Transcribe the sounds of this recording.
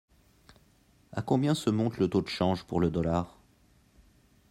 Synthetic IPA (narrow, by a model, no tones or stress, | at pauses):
a̰kɔ̃bjɛ̃səmɔ̃t̪lət̪od̪əʃɑ̃ʒpuʁləd̪ɔlaːʁ